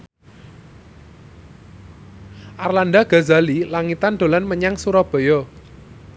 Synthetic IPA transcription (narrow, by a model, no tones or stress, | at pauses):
ʔarlanɖaɡ̥a̤zalilaŋit̪anɖ̪̥o̤lanməɲaŋsuɾɔb̥ɔ̤jɔ